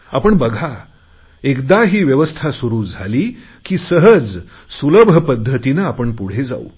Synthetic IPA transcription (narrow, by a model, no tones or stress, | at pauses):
a̰pəɳbəɡʱa | ekd̪aɦiːʋjəʋəst̪ʰasuɾuːd͡zʱaliː | kiːsəɦəd͡z | suləbʱəpəd̪ʱːət̪inaːpəɳpuɽ̤ed͡za̰ṵ